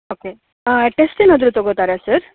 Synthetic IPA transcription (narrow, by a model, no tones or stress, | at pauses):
oke | əʈesʈinəd̪ɾut̪ʋəɡʱot̪aɾjasəɾ